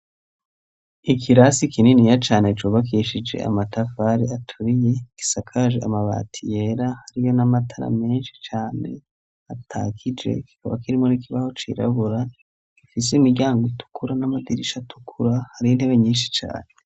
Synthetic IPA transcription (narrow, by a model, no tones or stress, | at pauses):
ikʰiɾasikininijat͡ʃaːnet͡ʃuːβak̬iʃid͡ʒe̞̰a̰matafaɾiatʰuɾije̞ki̥sakʰaʒḛa̰maβa̰ːtʰije̞ɾahaɾijo̞namatʰaɾa̰me̞ːnʃi̥t͡ʃaːne̞̰ | atʰa̰kid͡ʒe̞̰ki̥kaβakiɾimo̞nikiβaho̞t͡ʃḭɾa̰βuɾa | kifis̬emiɟaːŋɡotu̥kʰuɾanamadiɾiʃatu̥kʰuɾahaɾiin̥he̞βe̞ɲiːnʃi̥t͡ʃa̰ːne